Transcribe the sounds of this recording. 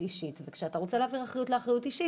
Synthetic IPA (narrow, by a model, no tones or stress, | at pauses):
iʃitvekʃeat̪aʁo̞t͡seleaviʁaχʁajutleaχʁajutiʃi